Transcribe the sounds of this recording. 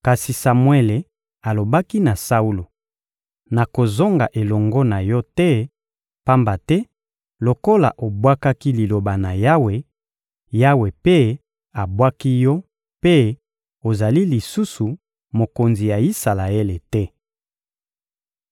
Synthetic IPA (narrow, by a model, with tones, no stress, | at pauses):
ka˨si˨sa˨mwe˦le˨ | a˨lo˨ba˦ki˦na˨sa˦u˦lo˨ | na˨ko˨zo˦ŋɡa̰˨ʔe˨lɔ˨ŋɡɔ˦na˨jɔ˦tɛ˦ | pa˦mba˨tɛ˦ | lo˨ko˦la̰˨ʔo˨bwa˦ka˦ki˦li˨lo˨ba˨na˨ja˦we˨ | ja˦we˨pe˦ | a˨bwa˦ki˦jɔ˦ | pe˦ | o˨za˨li˦li˨su˦su˨ | mo˨ko˨nzi˨ja˨i˦sa˨la˨e˦le˨tɛ˦